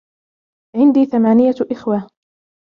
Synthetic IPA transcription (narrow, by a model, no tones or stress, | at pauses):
ʕɪnd̪iːθamaːnɪjaʔɪxwaː